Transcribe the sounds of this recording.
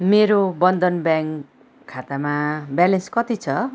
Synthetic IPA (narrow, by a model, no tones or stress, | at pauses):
meɾobʌnd̪ʌnbjaŋkʰː | at̪amabjalenskʌt̪it͡sʰʌ